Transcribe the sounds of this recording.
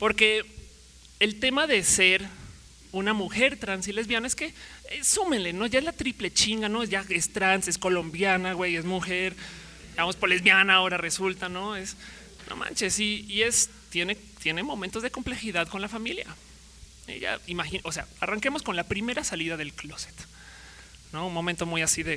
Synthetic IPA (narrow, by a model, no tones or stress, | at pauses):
po̞ɾke̞ | elt̪e̞maðe̞seɾ | unamuxe̞ɾt̪ɾansilezβjanaeske̞sume̞nle̞no̞ʝae̞zlat̪ɾiple̞t͡ʃiŋɡano̞ʝaest̪ɾansesko̞lo̞mbjanaɣwejezmuxeɾ | d̪iɣamospolezβjanaːo̞ɾaresult̪ano̞es | no̰mʔa̰nt͡ʃesiːes | t̪je̞ne | t̪je̞nemo̞mẽnt̪o̞zðeko̞mple̞xiðaðko̞nlafamilja̰ | ḛʝa̰imaxioseaaraŋkemo̞sko̞nlapɾime̞ɾasaliðað̞e̞lklose̥t̪ | no̞unmo̞mẽnt̪o̞mujasiðe